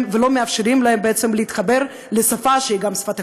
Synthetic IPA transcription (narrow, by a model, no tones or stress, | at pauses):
velo̞meafʃeɾimlaembeet͡semleiːt̪χabe̞ɾ | lesafaʃeiɡamsfat̪